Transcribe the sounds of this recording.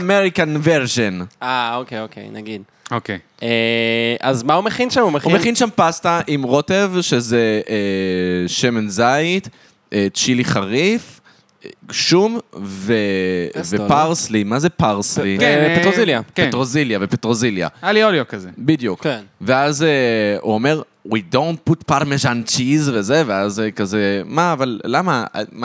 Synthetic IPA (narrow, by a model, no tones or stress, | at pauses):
meʁikanveʁʒenaokejokḛjna̰ɡid | oke | eʔazmaumeχinʃamumehumeχinʃampastaʔimʁo̞te̞vʃezee | ʃemenzajt | et͡ʃiliχaʁif | ɡʃumvevepaʁslimazepaʁslikepetoziljaketʁoziljavepetʁozilja̰alioljokazebidjukveazeṵome̞ʁ | widõnt̚putpaɾmezant͡ʃizvezeveazekazemaːvalːama̰ma